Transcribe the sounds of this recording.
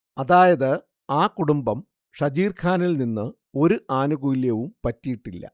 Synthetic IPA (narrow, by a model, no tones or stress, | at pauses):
ɐðaːjɐðɨ | aːkuɽumbɐm | ʂɐd͡ʑiːrkʰaːnɐlninːɨ | o̞ɾuʔaːnuɡuiljɐʋumpɐtːijiʈːilːɐ̰